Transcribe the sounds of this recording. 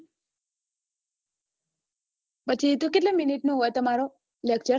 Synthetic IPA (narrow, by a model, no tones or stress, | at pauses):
pət͡ʃʰit̪ukeʈ̬leminiʈnũɦojt̪əmaɾo | lek̚t͡ʃə